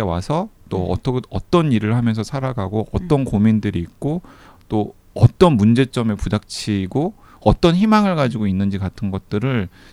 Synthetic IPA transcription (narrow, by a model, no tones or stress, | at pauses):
ewasʰʌt͈oʌ̰tʌʌt͈ʌniɾɯɭhamjʌnsʰʌsʰaɾaɡaɡoʔʌt͈ʌnkomindɯɾiːk̚k͈o | t͈o | ʌ̰t͈ʌnmund͡ʑe̞t͡ɕ͈ʌme̞pudak̚t͡ɕʰiɡo | ʌt͈ʌnçimaŋɯɭɡad͡ʑiɡoinːɯnd͡ʑikatʰɯnɡʌt̚t͈ɯɾɯɭ